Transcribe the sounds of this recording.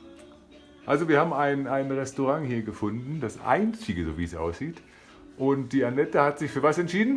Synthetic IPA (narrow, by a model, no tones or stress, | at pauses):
ʔalzoviːɐhaːbm̩aɪnaɪnʁɛstoʁaŋhiːɐɡəfʊndn̩dasʔa̰ɪnt͡sɪɡəzo̰ːviːɛsʔa̰ʊsz̥iːt | ʔʊnt̚d̥iːanɛtəhatz̥ɪçfyːɐvasɛntʃiːdn̩